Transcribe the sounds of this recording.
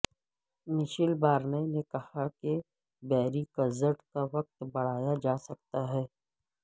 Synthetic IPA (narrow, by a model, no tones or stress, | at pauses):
mɪʃɪlbaːɾnenekɐhake | bɛːɾikɐzəʈkaʋɐk̚t̪bɐɽ̤aːjad͡ʒaːsɐk̚t̪aɦɛː